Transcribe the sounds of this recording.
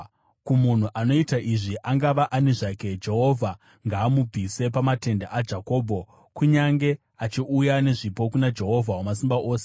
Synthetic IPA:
kumun̤uʔano̞itaʔiʐiʔaŋɡaʋaʔane̞ʐake̞d͡ʒe̞ɦo̞vʱa | ŋɡaːmub͡vʱise̞pamate̞ndaʔad͡ʒako̞ːbʱo̞ | kuɲaŋɡe̞ | at͡ʃiujane̞ʐipo̞kunad͡ʒe̞ɦo̞vʱawamas̬imbaʔo̞ːse

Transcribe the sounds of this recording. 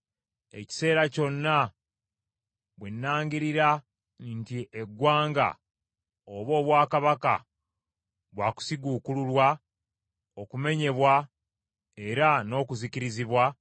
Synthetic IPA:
e̞̰ci̥se̞ːɾaco̞nːa | βwenːaːŋɡiɾiɾa | ntie̞ɡwaːŋɡa̰ | oβo̞ːβwaːkaβaka̰ | βwaːku̥siɡuːkululwa | o̞kume̞ɲe̞βwa | e̞ɾano̞ːkuziciɾiziβwa

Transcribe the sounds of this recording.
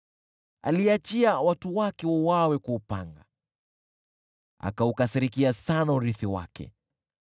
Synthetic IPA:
a̰liat͡ʃiawatuwakɛwɔwawɛkuːpa̰ŋɡa̰ | a̰kaukasiɾikiasanauɾiθiwa̰kʰɛ̰

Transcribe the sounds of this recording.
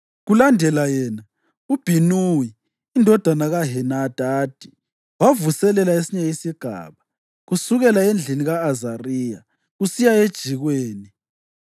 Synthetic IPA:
ɣulandʱɛlajɛːna | ub̥ʱinujiː | ndʱɔd̥ʱanaɣaɦɛnad̥ʱaːd̥ʱi̥ | wavusɛlɛlaesiɲɛisiɡ̥ʱa̰ːβa | ɣusuɣɛlaend͡ɮʱiniɣaːzariːja | ɣusijaed̥ʒ̥ʱiɣweːni

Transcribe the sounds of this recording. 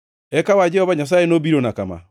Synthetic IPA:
ɛkawad͡ʒɛhɔβaɲas̬aːenobiɾonakama̰

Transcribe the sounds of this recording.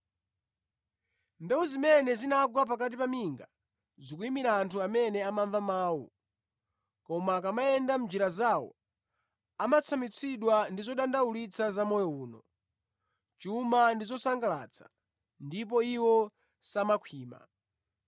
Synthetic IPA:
mbɛwuzimɛnɛzinaɡwap̬akat̬ipamiŋɡa | zikuimiɾaːntʰuamɛnɛamaɱvamaːwṵ | kɔmakamaɛndam̩d͡ʒiɾazawɔ̰ | amat͡sʰamit͡sʰiɗwandizɔɗandaulit͡sʰazamɔjɔuːnɔ̰ | t͡ʃuumandizɔsaŋɡala̰t͡sʰḁ̰ | ndipɔiwɔ | samakʰwiːma̰

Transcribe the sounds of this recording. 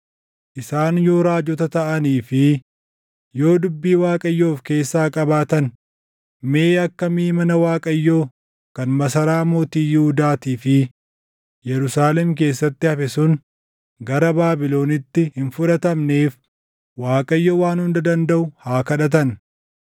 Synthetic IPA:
ʔɪsaːnjo̞ːɾaːd͡ʒɔt̪ɐt̪ɐʔɐniːfɪ | jo̞ːd̪ʊbːiːwaːkʼɐjːo̞ːfke̞ːsːaːkʼɐbaːt̪ɐn | me̞ːɐkːɐmiːmɐnɐwaːkʼɐjːo̞ː | kɐnmɐsɐɾaːmo̞ːt̪iːjɪhʊd̪aːt̪iːfɪ | jɛɾʊsaːlɛmk̬e̞ːsːɐt̪ːɪhɐfɛsʊn | ɡɐɾɐbaːbɪlo̞ːnɪt̪ːɪhɪnfʊᶑɐt̪ɐmne̞ːf | waːkʼɐjːoːwaːnhʊnd̪ɐd̪ɐnd̪ɐʔʊhaːkɐᶑɐt̪̬ɐn

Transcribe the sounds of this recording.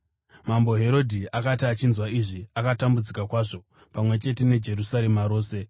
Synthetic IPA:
mambo̞ɦe̞ɾo̞dʱiakatiat͡ʃinzwaiʐiakatambud͡zikakwaːʐo̞ | pamwe̞t͡ʃe̞te̞ne̞d͡ʒe̞ɾusaɾemaɾo̞ːse̞

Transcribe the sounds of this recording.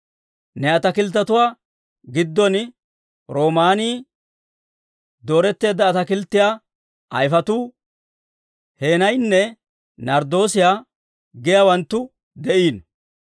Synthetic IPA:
nɛɐt̪ɐkɪlt̪̬ːɐt̪ʊwaː | ɡɪd̪ːɔn | ɾo̞ːmaːniː | d̪o̞ːɾɛt̪ːe̞ːd̪ːɐːt̪ɐkɪlt̪ːɪjaː | ɐ̰jfɐt̪uː | he̞ːnɐjnːɛ | nɐɾd̪o̞ːsɪjaː | ɡɪjaːwɐnt̪ːʊ | d̪ɛʔiːn

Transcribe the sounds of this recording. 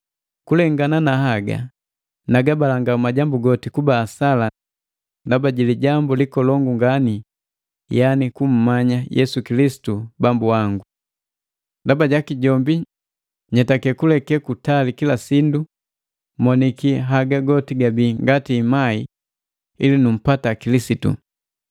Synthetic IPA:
kulɛŋɡananahaɡa̰ | naɡabalaŋɡaumaɟambuɡɔtikubaːsala | ndabaɟiliɟambulikɔlɔŋɡuŋɡani | janikum̩ːaɲajʔɛ̰sukilisi̥tubambuaŋɡu | ndabaɟakiɟɔmbi | ɲɛtakɛkulɛkɛkutalikilasindu | mɔnikiɦaɡaɡɔtiɡabiːŋɡatiːmai | ilinum̩patakilisitṵ

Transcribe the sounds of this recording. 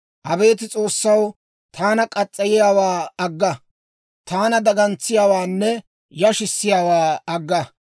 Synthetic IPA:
ʔɐbe̞ːt̪ɪt͡sʼo̞ːsːɐw | t̪aːnɐkʼɐt͡sʼːɐjɪjaːwaːɐɡːɐ | t̪aːnɐd̪ɐɡɐnt͡sːɪjaːwaːnːɛ | jɐʃɪsːɪjaːwaːɐɡːɐ

